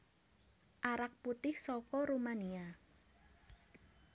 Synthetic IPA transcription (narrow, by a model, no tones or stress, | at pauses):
ʔaɾak̚put̪ɪhsɔkɔɾumania